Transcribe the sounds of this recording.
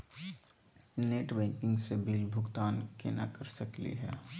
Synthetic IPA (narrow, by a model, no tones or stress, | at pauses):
neːʈbɛ̃ːŋkɪ̃ŋɡsebilbʱʊɡt̪aːnkḛːnakɐɾsɐklḭɦɛː